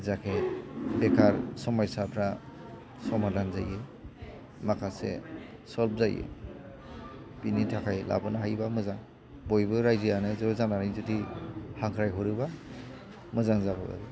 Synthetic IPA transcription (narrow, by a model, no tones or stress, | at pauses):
zakʰebekʰaɾsɔmɔjsapʰɾa | sɔmadanzaje | makʰasḛ | sɔlp̚zajḛ | pinitʰakʰajla̰bɯnaɦajbamɯzaŋ | bɔjbɯɾajzijanɯzɔzanaɾajzudihaŋkʰɾajɦɯɾɯba | mɯzaŋzaba̰ba̰ɾi